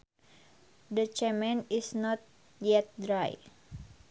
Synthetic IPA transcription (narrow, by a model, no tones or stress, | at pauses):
dət͡ʃɛmɛ̃nisnɔt̪̚ | jɛt̪̚dɾaj